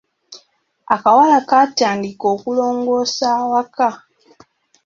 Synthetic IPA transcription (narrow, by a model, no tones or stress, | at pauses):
akawalakataːndiko̞ːkulo̞ːŋɡo̞ːsaːwaka